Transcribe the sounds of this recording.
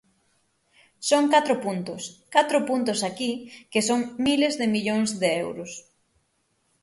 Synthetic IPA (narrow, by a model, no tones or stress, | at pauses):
soŋkat̪ɾʊpunt̪ʊskat̪ɾʊpunt̪ʊsakikesoŋmilezðɪmiʎoŋszðeɛwɾʊs